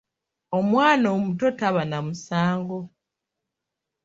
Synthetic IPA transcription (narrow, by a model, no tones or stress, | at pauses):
omwaːnoːmuto̞taβanamusaːŋɡo̞